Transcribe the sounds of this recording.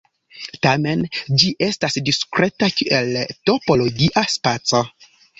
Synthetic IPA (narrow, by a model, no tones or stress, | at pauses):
tame̞nd͡ʒiʔe̞stasdiskɾe̞takiʔelto̞po̞lo̞ɡiʔaspat͡so̞